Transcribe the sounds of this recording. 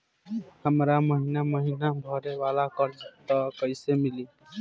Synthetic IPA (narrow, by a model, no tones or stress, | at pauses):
həmɾaməɦinaməɦinabʱʌɾeʋalakʌɾt̪ʌkəɪsemili